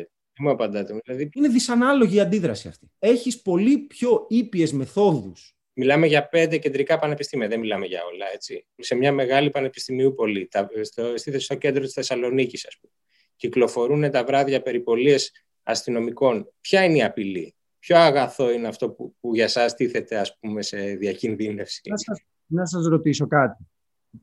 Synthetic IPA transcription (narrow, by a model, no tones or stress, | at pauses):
emuepɐnd̪ɐt̪emlɐðiineðisɐnɐlo̞ʝiːɐnd̪iðɾɐsiɐ̰ft̪i̥e̞çispo̞lipço̞ipie̞zme̞θo̞ðus | milɐme̞ʝɐpe̞nd̪ece̞nd̪ɾikɐpɐne̞pist̪imiɐðemilɐmeʝɐ̰o̞lɐe̞t͡si | se̞mɲɐme̞ɣɐlipɐne̞pi̥st̪imiupo̞lit̪ɐst̪st̪iθest̪o̞ce̞nd̪ɾot̪i̥sθesɐlo̞nicisɐsp̚ume | ciklo̞fo̞ɾune̞t̪ɐvɾɐðiɐpe̞ɾipo̞lie̞s | ɐ̰st̪ino̞miko̞npçɐineiɐpilḭ | pço̞ɐɣɐθo̞ineɐft̪o̞pupuʝɐsɐst̪iθe̞t̪e̞ɐsp̚ume̞se̞ðiɐcinðine̞fsiɐ | nɐs̬ɐzɾo̞t̪iso̞kɐt̪i